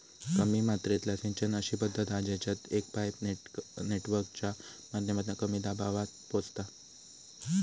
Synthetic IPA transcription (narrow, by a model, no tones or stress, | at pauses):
kəmiːmat̪ɾet̪lasĩɲt͡ɕənəɕiːbəd̪ʱːət̪ad͡ʑet͡ɕat̪ek̚pajpneʈʋəɾk̚t͡ɕamad̪njəmat̪nakəmiːd̪abaʋat̪̚pod͡zt̪a